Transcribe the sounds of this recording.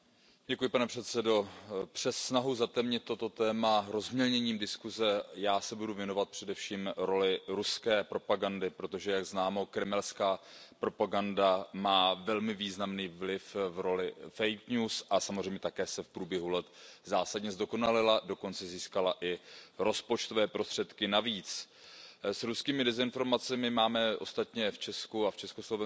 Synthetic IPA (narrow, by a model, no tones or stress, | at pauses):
ɟɛkujɪpanɛpr̝̥ɛt̪sɛdo̞pr̥ɛsːnaɦuzat̪ɛmɲɛt̪t̪ːot̪o̞t̪ɛːmaɾo̞zmɲɛlɲɛɲiːmdɪskuzɛjaːsɛbuduvjɛno̞vat̪̚pr̥ɛdɛfʃiːmɾo̞lɪɾuskɛːpɾo̞paɡandɪpɾo̞t̪o̞ʒɛjaɡznaːmo̞kɾɛmɛlskaːpɾo̞paɡandamaːvɛlmɪviːznamniːvlɪfvɾo̞lɪfɛjkɲuːsʔasamozr̝ɛjmɲɛt̪akɛːsɛfpɾuːbjɛɦulɛt̪zaːsadɲɛzdo̞ko̞nalɪlado̞ko̞nt͡sɛziːskalaʔɪɾo̞spo̞t͡ʃt̪ovɛːpɾo̞st̪r̥ɛt̪kɪnaviːt͡s | sɾuskiːmɪdɛzɪnfo̞ɾmat͡sɛmɪmaːmɛʔo̞st̪at̪ɲɛft͡ʃɛskuaft͡ʃɛsko̞slo̞vɛ